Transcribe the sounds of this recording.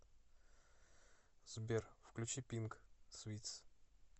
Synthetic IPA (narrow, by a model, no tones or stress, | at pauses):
zbʲerfklʲʉt͡ɕipʲinksvʲit̪s